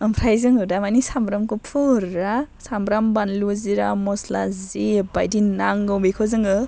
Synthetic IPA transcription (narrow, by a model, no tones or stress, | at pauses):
ɯmpʰɾajzɯŋɯdamanisambɾamkupʰɯɾasambɾambanluziɾamɔsla̰zibajdinaŋɡɯwbikʰɔzɯŋɯ